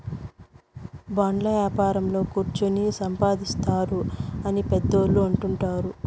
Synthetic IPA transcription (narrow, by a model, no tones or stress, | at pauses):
baːɳɖlɐʋjaːpaːɾɐmlo̞ːkuɾt͡ʃunisɐmpaːd̪ist̪aːɾuɐnipɛd̪ːoːlːuɐɳʈuɳʈaːɾu